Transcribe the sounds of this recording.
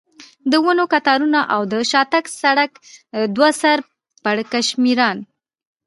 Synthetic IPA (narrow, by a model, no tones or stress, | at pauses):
d̪əwanokat̪ɑɾunaʔawd̪əʃɑt̪aksaɽak | d̪wasaɾ | paɽkaʃmiɾɑn